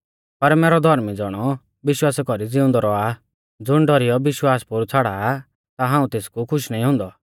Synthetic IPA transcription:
pɐɾmɛːɾɔd̪ʱɔɾmid͡zɔɽ̃ɔ | bɪʃwaːskɔɾid͡zɪʊ̃nd̪ɔɾɔa | d͡zʊɽ̃ɖɔɾijɔbɪʃwaːspʊɾt͡sʰaɽaː | t̪aɦãːũt̪eːskukʰʊʃnaːĩɦʊ̃ːnd̪ɔ

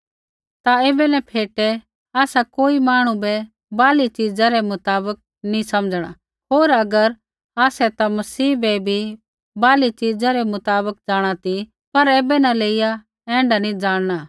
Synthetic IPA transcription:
t̪aeːbɛnɛ̃pʰeːʈɛ | aːsakoːimaːɽ̃ũbɛ | baːlit͡ʃiːd͡zaɾɛmʊt̪aːbək̚ | nĩsɐmd͡zɽ̃a̰ | ɦoːɾɐɡəɾ | aːsɛt̪amɐsiːbɛbʱi | baːlit͡ʃid͡zaɾɛmʊt̪aːbək̚d͡zaːɽ̃at̪i | pɐɾeːbɛnãleːɪja | ɛ̃ːɳɖanĩd͡zaːɽ̃ɽ̃a

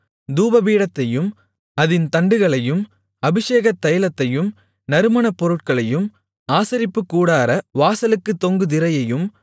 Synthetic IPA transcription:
d̪uːbɐʋiːɽɐt̪ːɐjɯm | ɐðɪnt̪ɐɳɖɯɣɐɭɐjɯm | ɐbɪʂeːɣɐt̪ːɐjɐlɐt̪ːɐjɯm | nɐɾɯmɐɳɐpːɔɾɯʈ̚kɐɭɐjɯm | aːsɐɾɪpːɯkːuːɽaːɾɐʋaːsɐlɯkːɯt̪ːɔŋɡɯd̪ɪɾɐjɐjɯm

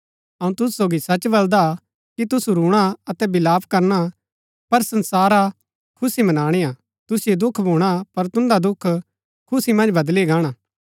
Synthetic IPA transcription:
ɐũt̪ʊsusoːɡisɐt͡ʃbɐld̪a | kit̪ʊsuɾuːɽ̃aɐt̪ɛbɪlaːpkɐɾña | pɐɾsɐ̃nsaːɾa | kʰʊsimɐnaːɽ̃eaː | t̪ʊsɪjed̪ʊkʰbʱõːɽ̃apɐɾt̪ʊ̃nd̪ad̪ʊkʰ | kʰʊsimɐ̃nd͡ʒbɐd̪liɡaːɽ̃aː

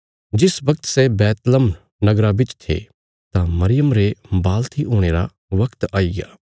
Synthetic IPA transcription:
d͡ʒɪsʋɐk̚t̪sebɛːt̪ləm | nɐɡɾabɪt͡ʃt̪ʰḛ | t̪amɐɾɪjəmɾebaːlt̪ʰiʔoːɽ̃eːɾa̰ | ʋɐkt̪aːiɡa̰ː

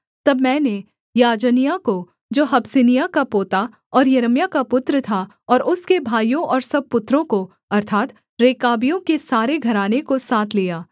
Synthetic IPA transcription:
t̪ɐbmɛ̃ːne | jaːd͡ʒənijako | d͡ʒoːɦɐbsɪnijakapoːt̪a | ɔːɾjɐɾəmjakapʊt̪ɾət̪ʰa | ɔːɾʊskebʱaːijõʔɔːɾsɐb̚pʊt̪ːɾõko | ɐɾt̪ʰaːt̪ | ɾeːkaːbijõkesaːɾeɡʱɐɾaːnekosaːt̪ʰlijaː

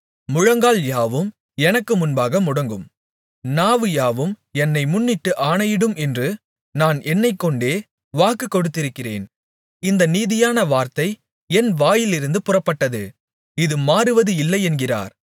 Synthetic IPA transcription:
mʊɻɐŋɡaːljaːʋɯm | ɛnɐkːɯmʊnbaːɣɐmʊɽɐŋɡɯm | naːʋɯjaːʋɯm | ɛnːɐɪmʊnːɪʈːɯʔaːɳɐjɪɽɯmɛndrɯ | naːnʔɛnːɐɪkːɔɳɖeː | ʋaːkːɯkːɔɽɯt̪ːɪɾɯkːɪrḛːn | ɪnd̪ɐniːðɪjaːnɐʋaːɾt̪ɐɪ | ɛnʋaːjɪlɪɾɯnd̪ɯpʊrɐpːɐʈːɐðɯ | ɪðɯmaːɾɯʋɐðɯɪlːɐɪɛnɡɪra̰ːɾ

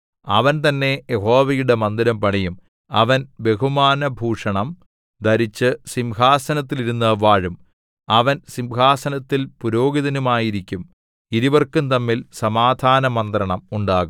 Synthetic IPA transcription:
ɐ̰ʋɐnt̪ɐnːe̞jeɦo̞ːʋɐjuɽe̞mɐnd̪iɾɐmpɐɳɐjum | ɐ̰ʋɐnbe̞ɦumaːnɐbʱuːʂɐɳɐm | d̪ɐɾit͡ɕːɨsimɦaːsɐnɐt̪ːiliɾunːɐʋaːɻum | ɐʋɐnsimhaːsɐnɐt̪ːilpuɾo̞ːɡiðɐnumaːjiɾikʲːum | iɾiʋɐrkumt̪ɐmːilsɐmaːd̪ʱaːnɐmɐnd̪rɐɳɐmuɳɖaːɣum

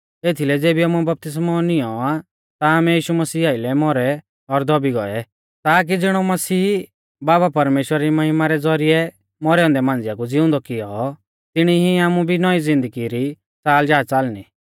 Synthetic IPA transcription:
eːt̪ʰilɛd͡zeːbiaːmubɐp̚t̪ɪs̬mɔnɪjɔa | t̪aːmɛjiːʃumɐsiːaːɪlɛmɔɾɛ | ɔɾd̪ɔbiɡɔ̰ɛ | t̪aːk̬id͡zɪɽ̃ɔmɐsiː | baːbapɐɾmeːʃwəɾaɾimɐɦɪmaɾɛd͡zɔɾiɛ | mɔɾɛɔ̃nd̪ɛmãːnd͡zɪjakud͡zɪʊ̃nd̪ɔkɪjɔ | t̪ɪɽ̃iɦiaːmubʱinɔizɪ̃nd̪əɡiɾi | t͡saːld͡ʒaːt͡salni

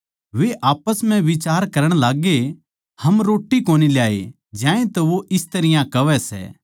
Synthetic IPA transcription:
ʋeʔaːpəsm̤ɛ̃ʋɪt͡ʃaːɾkɐɾəɽ̃laːɡe | hɐmɾoːʈːikoːniljaːḛ | d͡ʒãːẽt̪oʋoʔɪst̪ɐɾɪjãkɐʋɛsɛ̰ː

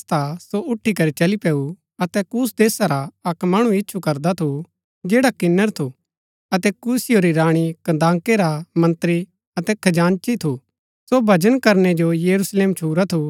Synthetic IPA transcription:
t̪asoʔʊʈʰːikɐɾit͡ʃɐlipɛːu | ɐt̪ɛkuːsd̪eːsaɾaɐkmaːɽ̃ũɪtːʃʰukɐɾd̪at̪ʰu | d͡ʒeːɽakɪnːəɾt̪ʰu | ɐt̪ɛkusɪjoɾiɾaːɽ̃ikɐ̃nd̪ãːŋkeɾamɐ̃nt̪ɾi | ɐt̪ɛkʰɐd͡ʒaːnt͡ʃit̪ʰu | sobʱɐd͡ʒənkɐɾned͡ʒojɐɾusleːmt͡ʃʰuːɾat̪ʰu

